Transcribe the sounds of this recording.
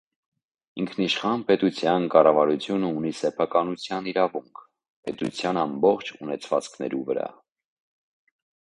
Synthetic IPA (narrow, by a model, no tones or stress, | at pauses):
iŋkʰniʃχɑnpɛt̪ut͡sʰjɑnkɑrɑvɑɾut͡sʰjunəunisɛpʰɑkɑnut͡sʰjɑniɾɑvuŋkʰ | pɛt̪ṵt͡sʰjɑnɑmbɔχt͡ʃʰunɛt͡sʰvɑt͡skʰnɛ̰ɾuvəɾɑ̰